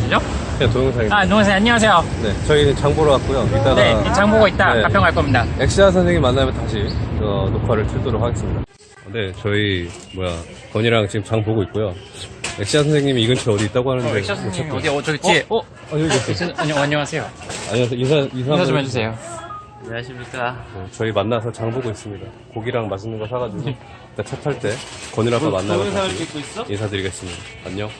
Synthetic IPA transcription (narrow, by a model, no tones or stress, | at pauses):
id͡ʑo | atoosʰaatoŋesʰaaɲːʌwas̬ʰejone̞t͡ɕʌiɯt͡ɕaŋboɾɯak̚k͈ojoit͈aɡneat͡ɕaŋboɡʌit̚t͈aeappjʌŋɦaɭk͈ʌmɲidaeksɕ͈id͡ʑasʰʌnsʰe̞ŋɲːimanːamjʌntaɕʰikʌnokʰwaɾɯɭtʰuɭt͈oɾok̚haɡes͈ɯmɲida | nde̞t͡ɕʌi | mwoja̰ | kʌɲiɾaŋt͡ɕiɡɯmt͡ɕaŋpoɡoit̚k͈ojome̞kɕ͈id͡ʑas̬ʰʌŋsʰe̞ŋɲimiːɡʌnt͡ɕʰʌʌdiːt͈̚aɡoɦanɯndeaot͡ɕaidiʌt͈ʌkʰt͡ɕi | aoɡesɲaɲʌŋasʰejoa̰ɲias̬ʰejoinsʰainsʰamed͡ʑus̬ʰejo | aɕimijet͡ɕʌimanːas̬ʰʌt͡ɕaŋboɡois͈ɯmɲida | koɡiɾaŋmaɕʰinɯnɡʌsʰaɡaduɡo | kɯt͈at͡ɕʰatʰaɭt͈e̞kʌɲiɾapʰamanːaioiinsʰadɯɾiɡe̞s͈ɯmɲida | a̰ɲːo